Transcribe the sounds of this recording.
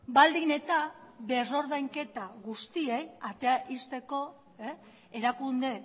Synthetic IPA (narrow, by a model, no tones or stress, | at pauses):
bald̪ine̞t̪abe̞ro̞ɾðajŋke̞t̪aɣust̪ie̞jat̪eaʔist̪e̞ko̞ | e | eɾakund̪e̞